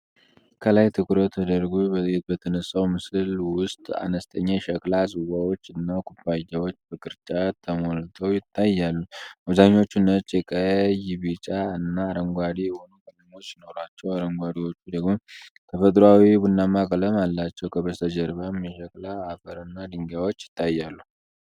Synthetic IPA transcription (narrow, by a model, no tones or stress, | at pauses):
kʰəlajt̪ʰɨkɨɾot̪ʰːəd̪əɾɡubətet̪̚bət̪ʰənəsːawmɨsɨlwʊst̪ʼa̰nəst̪ʰʼəɲːaʃəkʼlasʼɨwawot͡ʃːɨnːakʰʼubajːawo̞t͡ʃːbəkʼɨɾt͡ʃʼat̪ʰəmolt̪ʰowjɪt̪ʰːajːalːuaβzaɲːo̞t͡ʃːunːət͡ʃːjɛkʼəjɪβit͡ʃʼaɨnːaːɾəŋɡʷad̪ijɛho̞nukənɨŋo̞t͡ʃːjɪno̞ɾat͡ʃːɛwaɾəŋɡʷad̪iwo̞t͡ʃːud̪əɡmot̪ʰəfət̪ʼɾawibunːamakʼələmalːat͡ʃːɛwkʰəβəst̪ʰəd͡ʒəɾβamjɛʃəkʼlaːfəɾɨnːad̪ɨŋɡawo̞t͡ʃːjɪ̥t̪ʰːajːalːu